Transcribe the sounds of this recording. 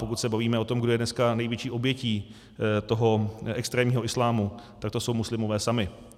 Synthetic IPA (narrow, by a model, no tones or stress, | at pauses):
po̞kut̪sɛbaviːmɛot̪o̞mɡdo̞jɛdnɛskanɛjvjɛt͡ʃiːʔo̞bjɛciː | t̪o̞ɦo̞ɛkst̪ɾɛːmɲiːɦo̞ʔɪslaːmut̪akt̪o̞so̞wmuslɪmovɛːsamɪ